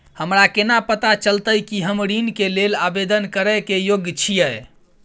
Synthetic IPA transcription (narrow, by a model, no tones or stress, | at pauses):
həmɾakenapət̪at͡ʃəlt̪əjkiɦəmɾinkelelabed̪ənkəɾəkejoɡjət͡ʃʰijə